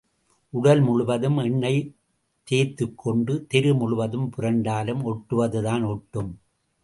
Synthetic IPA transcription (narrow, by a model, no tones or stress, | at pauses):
ʔʊɽɐlmʊɭʊʋɐðɯmɛɳːɐɪ | t̪eːt̪ːɯkʰːɔɳɖɯt̪ɪɾɯmʊɭʊʋɐðɯmpʊrɐɳɖaːlɯmɔʈːɯʋɐðɯðaːnɔʈːɯm